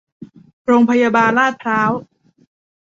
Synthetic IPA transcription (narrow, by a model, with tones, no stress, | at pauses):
ɾoː˧ŋpʰa˧jaː˧baː˧nlaː˥˩t̪̚ʰɾaː˦˥w